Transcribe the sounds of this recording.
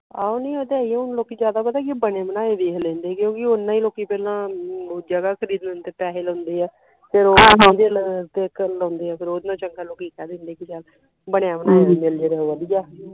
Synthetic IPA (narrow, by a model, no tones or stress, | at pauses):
a̰ːonẽːoːd̪eiɛ̃ʊnloːkiːd͡ʒjaːd̪aːpəd̪aːkibəneːmənaːed̪eːkʰlɛ̃ːnd̪eːkjõːkɪʊnːãːiːloːkːiːpɛːlãːd͡ʒəɡaːkʰəɾiːd̪nːnt̪eːpɛːɦeːlõːnd̪eːɛː | pʰɪɾoːõd̪eːlɾt̪eːkəoːnd̪eːɛːpʰɪɾoːd̪nãːt͡ʃəŋkʰaloːkiːkɛːd̪ẽːnd̪eːkɪd͡ʒal | bəɳjãːmənaːeːʋiːneleːɾɛɦoːʋəliːaː